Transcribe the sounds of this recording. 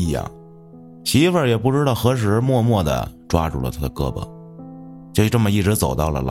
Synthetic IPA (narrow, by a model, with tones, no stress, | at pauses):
jɑ̰˥˩ŋ | ɕi˧˥fə˞˨˩jɛ˨˩pu˥˩˧ʈ͡ʂɻ̩˥ɾɑ˥˩ʊxɤ˧˥ʂ̬ɻ̩˧˥mwɔ˥˧mwɔ˥˩d̪ə̰˨ʈ͡ʂwa̰˥ʈ͡ʂṵ˥˩lə̰˨t̪ʰa˥d̪ə˨kɤ˥˩bə̰˨˩ | t͡ɕjʈ͡ʂmə˩i˥˩ʈ͡ʂɻ̩˧˥t͡so˨˩ʊt̪ɑ˥˩ʊlə̰˩l